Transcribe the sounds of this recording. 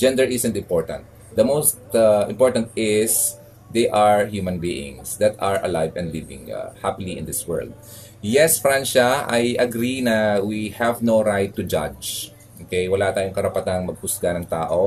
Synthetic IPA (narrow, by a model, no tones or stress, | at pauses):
d͡ʒɛ̃nd̪ɛɹʔɪsɛnt̪ɪ̃mpoɹt̪ɐ̰̃nt̪̚ | d̪ɐmowst̪ɪ̰̃mpoɹt̪ɐ̃nt̪̚ɪs | d̪ɛjʔɐɹhjumɐnbiʔɪ̰̃ŋsd̪ɐt̪ɐɹʔɐ̰lajvɛ̰̃nd̪livɪ̰̃ŋ̰hapɪliʔɪ̰̃nd̪ɪswɛ̰ɹld̪̚ | jɛsfɾanʃɐɐjʔɐɡɾinɐwihɛvnoɾajt̪ːʊd͡ʒa̰d͡ʒ | ʔoːkɛjwɐlat̪aːjʊŋkɐɾɐpɐt̪anŋmɐɡ̚hʊsɡanɐŋt̪aːʔo